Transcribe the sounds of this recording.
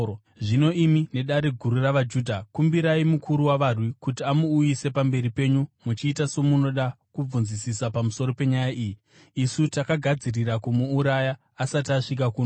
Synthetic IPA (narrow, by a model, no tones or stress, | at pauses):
ʐino̞ʔimine̞ɗaɾe̞ɡʱuɾuraʋad͡ʒuːdʱakumbiɾaimukʰuɾuwaʋarwikutiamuːjise̞pambe̞ɾipe̞ɲumut͡ʃiːtaso̞muno̞ɗa | kub͡vunzisisapamuso̞ɾo̞pe̞ɲajaʔiːjiː | sutakaɡʱad͡ziriɾakumuːɾajaː | sataʂik̬akuːn